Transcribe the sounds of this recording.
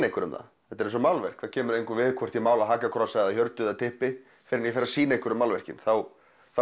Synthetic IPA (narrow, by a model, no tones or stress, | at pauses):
nehkʏɾʏmða̰θɛt̪ɛɾɛnsɔmawlvɛr̥kθacʰɛːmʏɾejŋkʏvɪðkʰvɔr̥t̪imaːwlaɦaːkakʰɾɔsaððaçjœɾt̪ʏðat̪ʰɪhpɪ | fɪɾɪnjɛfɛɾːasiːnejkʏɾʏmːawlvɛr̥cɪ̰nθaw | θa